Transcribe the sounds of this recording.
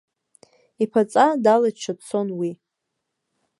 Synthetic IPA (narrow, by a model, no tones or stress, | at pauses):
ipʰat͡sʼadalat͡ʃʰat͡sʰo̞nwi